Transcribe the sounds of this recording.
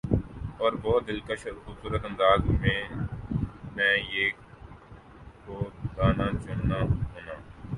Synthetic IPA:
ɔːɾbɔːt̪̚d̪ɪlkəʃɾxʊbsuːɾət̪ə̃nd̪aːzmẽː | mɛ̃ːeː | koːɡ̪aːnãːt͡ʃʊnːãːɦoːnaː

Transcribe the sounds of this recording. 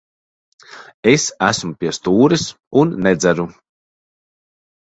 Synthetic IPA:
esæsmupʲiɛst̪uːɾis | unːɛd̪zæɾu

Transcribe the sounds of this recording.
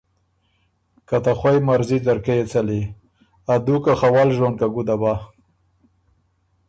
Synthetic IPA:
kat̪axwajmaɾzizaɾkejet͡sali | ad̪ukaxawalʒonkaɡud̪aba

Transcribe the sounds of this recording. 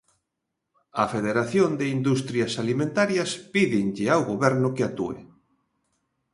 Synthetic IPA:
ɐfeðeɾaθjond̪ɪind̪ust̪ɾjɐsalimẽnt̪aɾjɐspiðɪŋʎɪawɣoβɛɾnʊkeat̪ṵḛ

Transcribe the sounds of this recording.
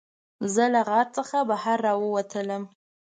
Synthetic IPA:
zəlaɣɑt̪̚t͡səxabahaɾːɑwəwat̪ʰələm

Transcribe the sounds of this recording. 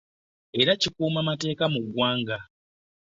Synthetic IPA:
e̞ɾacikuːmamate̞ːkamuɡwaːŋɡa

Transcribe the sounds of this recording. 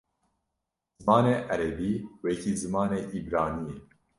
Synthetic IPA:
z̥ɨmɑːneːʔæɾɛbiːwɛkiːzɨmɑːneːʔibɾɑːniːe

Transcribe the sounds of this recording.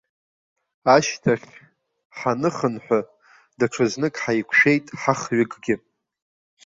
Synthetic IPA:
aʃtʰaχʲ | ħanɨχənħʷa | daʈ͡ʂʰɨznɨkʼħajkʷʰʃᶣe̞jtʼħaχɥɪɡʼɡʲɪ

